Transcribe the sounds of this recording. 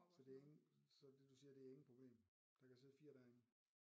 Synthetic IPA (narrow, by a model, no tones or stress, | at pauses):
sɒ̽d̥e̝æeŋ̩sɒ̽d̥e̝d̥usiːɐd̥e̝æɐe̝ŋn̩pʰʁo̝b̥le̝̰ːm | d̥ɑ̈kʰæseðˠfiːɐɾ̥æɐeŋ